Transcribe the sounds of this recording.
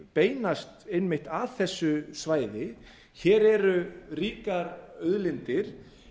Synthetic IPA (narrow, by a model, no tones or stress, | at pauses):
peːjnast̪ejnmɪht̪aθɛsːʏsvaːjðɪ | çɛːɾɛɾʏriːkaɾœðlɪnt̪ɪɾ̥